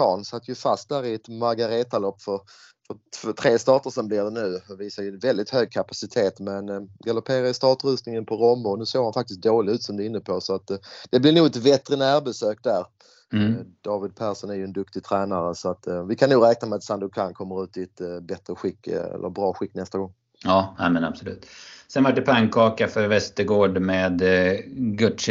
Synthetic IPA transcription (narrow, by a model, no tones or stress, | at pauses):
kɑːnsat̪ːəjɵfast̪̚d̪æːɾɪɛt̪maɾɡaɾeːt̪alɔpːfœɾ | fœɾfœt̪ʰɾeːst̪ɑːʈəʂɛnmblɪd̪ɛnʉ̟ːviːsajɵnvɛld̪ɪt̪høːɡ̚kʰapasɪt̪ʰeːt̪mɛnɡalʊpʰeːɾajəst̪ɑːʈɾʉːsnɪŋənpʰɔɾɔmːʊnʉ̟ːseːɾhanfak̚t̪ɪs̬k̪t̚d̪oːlɪɡʉ̟ːt̪sɔmd̪ɛɪnːəpʰɔsɔat̪d̥̪ɛblɪɾnuːɡɛt̪vɛt̪ɾənæːɾbɛsøːkd̪æɾ | d̪̥ɑːvɪd̪̚pʰæːɾʂɔnæɾjɵɛnd̪ɵkt̪ɪɡt̪ʰɾɛːnaɾəsɔat̪ːvɪkʰanːuːɡɾɛːknamɛat̪sand̪ʊkʰaŋkʰɔmːəɾʉ̟ːt̪ɪɛt̪bɛt̪ɾəɧɪkːɛ̰lʔə̰ɾbɾɑːɧɪkːnɛst̪aɡɔŋː | ɑːnɛːmɛnabsɔlʉ̟ːt̪sɛnvaʈ̚ɖɛpʰaŋkʰːɑːkafœɾvɛst̪əɾɡoːɖmeːd̪ | ɡɵʈʂ